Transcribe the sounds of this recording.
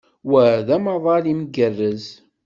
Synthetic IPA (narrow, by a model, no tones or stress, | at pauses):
wæðæmɑðˤɑlimɡərːəz